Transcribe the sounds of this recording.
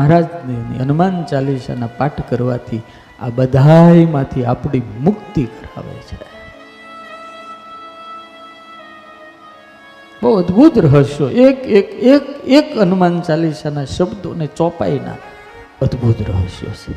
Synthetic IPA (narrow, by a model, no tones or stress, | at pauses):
mɦɾad͡ʒninḭənmant͡ʃaliʃa̰napaʈʰkəɾʋa̰t̪ʰi | a̰bəd̪ʱajmãt̪ʰiapɳimʊkt̪ikəɾa̰ʋḛjt͡ʃʰe | bəəd̪bʱut̪ɾəɦəʃjoʔekekekekənmant͡ʃaliʃanaʃəbd̪o̰net͡ʃɔpa̰inã̰ | əd̪bʱut̪ɾəɦəʃjo̰t͡ʃʰe